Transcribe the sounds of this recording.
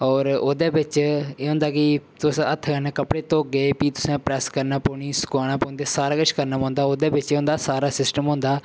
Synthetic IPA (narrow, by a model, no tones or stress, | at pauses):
ɔːɾoːd̪eːbɪt͡ʃeːɦʊ̃nd̪aːkɪt̪ʊsət̪ʰːkəɾnãːkəpɽeːt̪õːɡeːpiːt̪ʊ̥sãːpɾɛːskəɾnaːpoːɳiːsʊ̥kaːnaːpoːnd̪eːsaːɾaːkəʃkəɾnaːpɔ̃ːnd̪aːoːd̪eːbɪt͡ʃeːɦʊ̃nd̪aːsaːɾaːsɪsʈəmɦʊ̃ːnd̪aː